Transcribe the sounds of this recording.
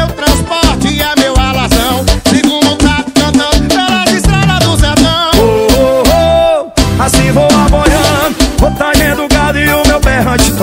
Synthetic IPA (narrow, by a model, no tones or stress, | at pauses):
ewt̪ɾɐ̃spɔɾt͡ʃɪamewalazɐ̃w̃seɡũd̪ʊt̪ak̪k̪ɐ̃t̪ɐ̃aɾad͡ʒist̪ɾɛd̪ɐd̪ʊzat̪ɐ̃oo | asĩvowapojɐ̃vot̪aʒẽd̪ʊɡad̪ʊɪʊmewpɛɦɐ̃t͡ʃɪ̥t̪